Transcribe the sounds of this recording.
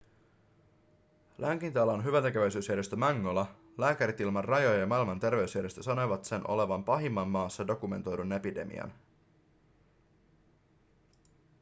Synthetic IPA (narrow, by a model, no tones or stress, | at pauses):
læŋkint̪ɑlɑnɦyʋænt̪e̞keʋæjsyːsjæɾe̞st̪ømɑŋːolɑ | læːkæɾit̪ilmɑrrːɑjojɑjɑmɑilmɑnt̪e̞rʋe̞ysjæɾe̞st̪øsɑno̞jʋɑt̪se̞nʔo̞̰le̞ʋɑmpɑɦimːɑmːɑːsːɑdo̞kume̞̰nt̪o̞jdunːepide̞̰mḭɑ̰n